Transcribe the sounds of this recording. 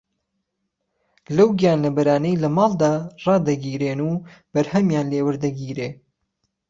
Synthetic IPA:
lɐwɡjaːnlɐbɐɾaːnɛjlɐmɑːlˠd̪aːrɑːd̪ɐɡiːɾeːnuːb̥ɐɾhɐmjaːnleːwəɾd̪ɐɡiːɾeː

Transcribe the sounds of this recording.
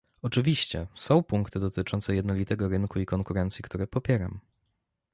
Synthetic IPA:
ɔt͡ʂɘvʲiɕt͡ɕɛ̰sɔ̃w̃puŋkt̪ɘd̪ɔt̪ɘt͡ʂɔnt̪sɛjɛd̪nɔlʲit̪ɛɡɔɾɘnkuikɔŋkuɾɛnt̪sʲjikt̪uɾɛpɔpʲjɛɾa̰m

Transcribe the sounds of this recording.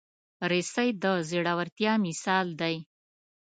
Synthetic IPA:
ɾesajd̪əzeɽawaɾt̪jɑmɪsɑld̪aj

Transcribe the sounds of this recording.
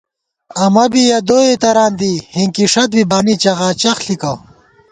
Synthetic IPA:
ɐmɐbijɐd̪oːet̪ɐɾaːnd̪ihiŋkiʂɐt̪̚bibaːnit͡ɕɐʁaːt͡ɕɐxɬikɐw

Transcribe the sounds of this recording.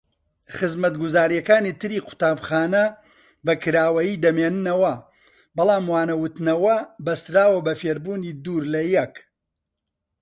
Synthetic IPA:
χɨzmɐt̪ɡuzaːɾijɐkaːnit̪ʰɨɾiːqʰʊ̥t̪aːbχaːnɐ | bɐkɨɾaːwɐjiːd̪ɐmeːnɨnɐwɐ | bɐlˠaːmwaːnɐwʊt̪nɐwɐbɐst̪ɾaːwɐbɐfeːɾbuːniːd̪uːɾlɐjɛk

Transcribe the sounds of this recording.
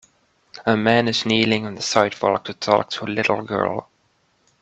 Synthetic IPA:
əmæ̃nɨznilɪ̃ŋə̃nðəsaɪtfɔ̰lˠk̚tʰɨtʰɔ̰k̚tʰəəlɪɾl̩ˠɡɜ̰˞lˠ

